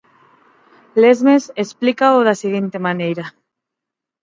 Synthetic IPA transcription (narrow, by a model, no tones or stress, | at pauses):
lezmesesplikaoðasiɣint̪emanejɾa